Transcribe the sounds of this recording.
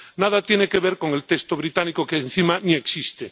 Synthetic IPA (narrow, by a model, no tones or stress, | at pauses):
naðat̪jenekeβeɾko̞ŋe̞lt̪est̪oβɾit̪anikokeːn̟θimanieksist̪e